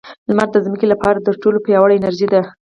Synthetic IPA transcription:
lmaɾd̪əzməkelapɑɾad̪əʈolopəjɑwaɽaɪnaɾʒid̪a

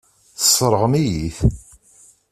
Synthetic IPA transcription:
θə̥sˤːɾˤəʁəmijiθ

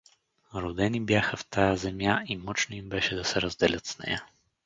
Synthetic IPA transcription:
ɾod̪ɛnibjaxəft̪ʰajəzɛmʲjaʔimɔt͡ʃnʊimbɛʃɛd̪ɐsɛɾəzd̪ɛlʲət̪snɛ̰jə

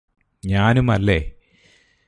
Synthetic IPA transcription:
ɲaːnumɐlːe

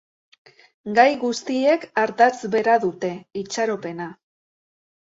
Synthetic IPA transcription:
ɡajɣust̪ie̞kaɾt̪at͡sβe̞ɾaðut̪e̞it͡ʃaɾo̞pe̞na

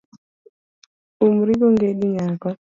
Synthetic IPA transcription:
umɾiboŋɡeɗiŋakɔ

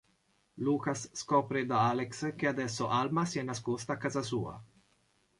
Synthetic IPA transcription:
lukasːkɔːpɾed̪aalɛksek̟ead̪ɛsːoʔalmasiɛnːaskost̪aːkːazas̬uːa̰

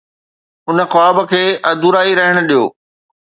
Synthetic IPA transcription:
ɦʊnəxʊaːbə̆kʰeːʔɐd̪uɾaːiɾɐɦəɽ̃ʊ̆ɗijo̰ː

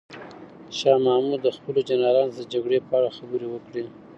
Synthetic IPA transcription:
ʃɑmɑmud̪əxpəlod͡ʒanɑlɑnzd̪əd͡ʒaɡɽepəaɽaxabəɾewəkɽi

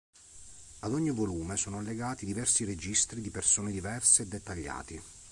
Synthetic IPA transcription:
ad̪ɔɲːivoluːmesoːnoalːeɡaːt̪id̪ivɛrsiɾed͡ʒist̪ɾid̪ipersoːned̪ivɛrseːd̪ːet̪ːaʎːa̰ːt̪i

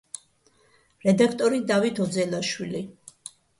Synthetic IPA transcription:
ɾɛd̪akʰt̪ʼɔɾid̪avit̪ʰɔd̪zɛlaʃwili

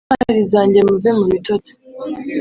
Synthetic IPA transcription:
aɾizaːɲɟe̞muvemumitoti̥

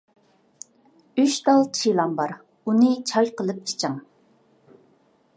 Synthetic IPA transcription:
yʃd̪ɑlˠt͡ʃʰilˠɑmbɑɾ | unɨt͡ʃʰɑjqəlˠɨp̚ʰi̥t͡ʃʰəŋ

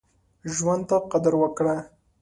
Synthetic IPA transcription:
ʒwand̪̚t̪aqad̪aɾwəkɽa

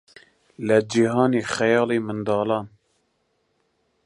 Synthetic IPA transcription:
lɛd͡ʒiɦɑːneːxɛjɑːleːmɨnd̪ɑːlɑːn

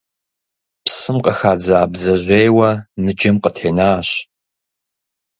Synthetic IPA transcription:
psɨmqəxaːd͡zaːbzɐʑʷeːjwɐnɨd͡ʒɐmqətʰħeːnaːɕ

